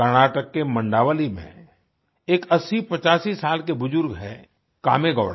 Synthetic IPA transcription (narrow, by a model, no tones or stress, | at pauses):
əɾñaːʈəkːemə̃ɳɖaːʋəlimḛ̃ | eːkɐsipɐt͡ʃaːsisaːlk̬ebʊzʊɾɡɦɛ̰ | ka̰ːmeɡɔ̰ːɽ